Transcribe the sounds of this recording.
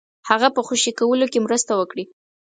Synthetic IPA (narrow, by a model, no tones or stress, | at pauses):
haɣapəxoʃikawəlokemɾəst̪awəkɽi